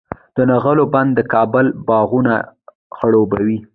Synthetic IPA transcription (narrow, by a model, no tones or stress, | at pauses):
d̪̥ənaɣəloband̪ːəkɑbəlbɑɣuna | xəɽobawi